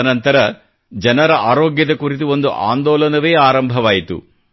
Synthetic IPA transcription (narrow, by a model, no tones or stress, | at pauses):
nɐnt̪ɐɾɐ | d͡ʒɐnɐɾɐʔaːɾoːɡjɐd̪ɐkuɾit̪uo̞nd̪uʔa̰ːnd̪ɔːlɐnɐʋe̞ːaːɾɐmbʱɐʋaːjit̪ṵ